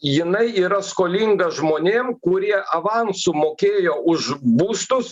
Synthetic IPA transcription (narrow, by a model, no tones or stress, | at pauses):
jɪnɐɪiːɾɐskoːlʲiŋɡɐʒmoːnʲeːmkʊɾʲiɛʔɐʋɑnsʊmoːkʲeːjoːʊʃbuːst̪ʊs